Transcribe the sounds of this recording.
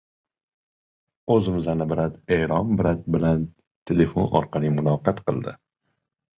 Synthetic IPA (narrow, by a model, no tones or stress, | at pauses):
ɵzɪmɪzanɪbɪɾat̪eɾɒnbɪɾat̪̚bɪlan | t̪ʰele̞fonɒ̰ɾqʰɑlimʊnɒqɑt̪qɨlˠd̪ɪ̰